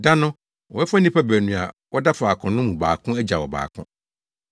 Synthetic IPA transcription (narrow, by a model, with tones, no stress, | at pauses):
da˦nʊ̃˦ | wɔ˨ɛ˦fa˦nĩ˦pʰa˦bæ˨nũ˨a˨wʔɔ˦da˦faː˨kʰʊ̃˨nʊ̃˦mũ˨ba̰ː˨kʰʊ̃˦æ˦d͡ʑa˨wɔ˨ba̰ː˨kʰʊ̰̃˦